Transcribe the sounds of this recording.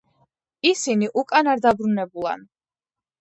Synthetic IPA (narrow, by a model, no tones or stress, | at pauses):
isiniʔukʼanaɾd̪abɾunɛbulˠa̰n